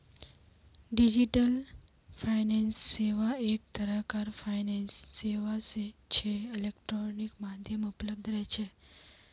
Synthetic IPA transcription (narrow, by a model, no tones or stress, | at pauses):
ɖid͡ʒiʈəl | fʰainensːeʋaek̚t̪əɾakaɾfʰainensːeʋaset͡ʃʰeɪlekʈɾonikmad̪ʱjəmupləb̚d̪ʱɾɛjt͡ʃʰe